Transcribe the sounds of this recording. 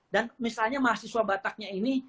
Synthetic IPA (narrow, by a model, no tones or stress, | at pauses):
danmisalɲamaɦasiswabat̪ak̚ɲaini